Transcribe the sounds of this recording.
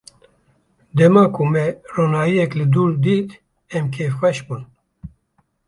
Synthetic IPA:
d̪ɛmɑːkumɛroːnaːjijɛklɨd̪uːɾd̪iːt̪ | ɛmkʰeːfxʷɛʃbuːn

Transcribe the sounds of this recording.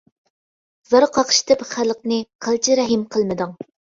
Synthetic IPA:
zəɾqʰɑqʃt̪ʰɪpχælˠəqnɨqʰəlˠt͡ʃʰiɾɛɦɪmqʰəlˠmɨd̪ɨŋ

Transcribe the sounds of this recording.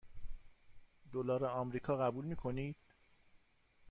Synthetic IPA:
d̪olɒːɾeɒmɾiːkʰɒːɣæbuːlmiːkʰo̞niːd̪̥

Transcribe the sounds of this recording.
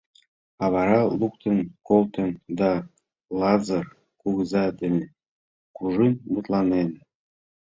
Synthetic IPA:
ɑβɑɾɑlˠuk̚t̪ə̆nkolˠt̪ɤ̆nd̪ɑ | lˠɑzɑr | kuɣəzɑd̪ɘ̆nĕ | kuʒɯnmut̪lˠɑnen

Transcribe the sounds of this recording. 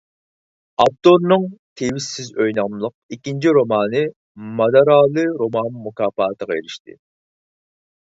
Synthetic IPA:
ɑp̚t̪oɾnɨŋt̪ʰewisːɪzøjnɑmlˠəq̚ikʲint͡ʃʰiɾomɑːnɨ | mɑd̪ɑɾɑːlˠɨɾomɑnmːukɑːfɑːt̪ʰəʁɑeɾɪʃt̪ɪ̰

